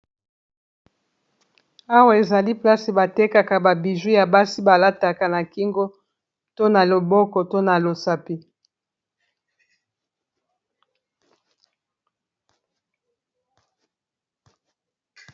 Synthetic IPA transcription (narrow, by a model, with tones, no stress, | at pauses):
a˦wa˦e˨za˨li˦pla˦se˨ba˨te˦ka˨ka˨ba˨bi˨ʒu˦ja˨ba˦si˦ba˨la˦ta˨ka˨na˨ki˦ŋɡo˦ | to˦na˨lo˨bɔ˦kɔ˨to˦na˨lo˨sa˨pi˦